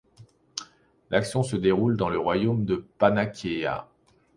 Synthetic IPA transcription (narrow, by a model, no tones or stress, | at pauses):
lʔaksjɔ̃səd̪eʁuld̪ɑ̃ləʁwajomd̪əpanakʰʲea̰